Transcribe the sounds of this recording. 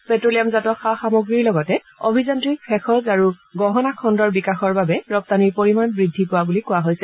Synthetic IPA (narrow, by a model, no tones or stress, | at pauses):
pɛtɹolijamzatɔxaxamoɡɹiɹlɔɡɔtɛ | obʱizantɹikpʰɛxɔzaɹuɡɔɦɔnakʰɔndɔɹbikaxɔɹbabɛɹɔp̚taniɹpoɹimanbɹidʱːipʊwabulikʊwaɦojsɛ